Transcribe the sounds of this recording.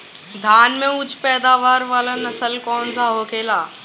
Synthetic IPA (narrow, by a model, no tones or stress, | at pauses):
d̪ʱaːnmẽʊd͡ʑʱpɛːd̪aːʋaːɾʋaːlanɐsəlkɔːnzaɦoːkeːlaː